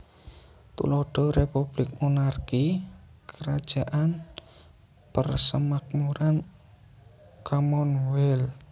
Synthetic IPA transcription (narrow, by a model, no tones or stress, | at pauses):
t̪ṵlɔɖ̥ɔ̤ɾepub̥lɪk̚monarkikəɾad̥ʒ̥a̤ʔan | pərsəmak̚muɾan | kamɔnwɛl